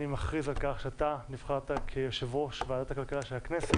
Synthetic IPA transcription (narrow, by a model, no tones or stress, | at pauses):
nimaχʁizalkaχʃeat̪anivχaʁt̪akʰejoʃevʁo̞ʃveadat̪akalkalaʃelhaknese